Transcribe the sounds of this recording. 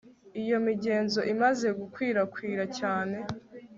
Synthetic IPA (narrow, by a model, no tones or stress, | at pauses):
ijo̞miɟeːnzo̞ʔimaze̞ɡukwiːɾakwiːɾacaːne̞